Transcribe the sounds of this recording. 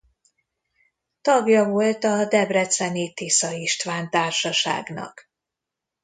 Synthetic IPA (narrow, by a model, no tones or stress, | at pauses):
t̪ɒɡjɒvo̞lt̪ɒd̪ɛbrɛt̪sɛniːt̪isɒiʃt̪ʋaːnt̪aːrʃɒʃa̰ːɡnɒ̰k